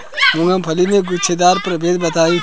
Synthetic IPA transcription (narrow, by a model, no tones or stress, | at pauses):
mʊ̃ŋɡəmpʰɐlimẽɡʊt͡ʃʰed̪aːɾpɾɐbeːd̪bɐt̪aːi